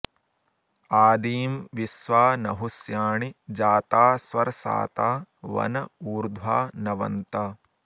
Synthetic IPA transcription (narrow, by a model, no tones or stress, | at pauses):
aːd̪iːmʋisʋaːnɐɦusjaːɳid͡ʒaːt̪aːsʋɐɾsa̰ːt̪aːʋɐ̰nɐuːɾd̪ʱwaːnɐʋɐ̰nt̪aː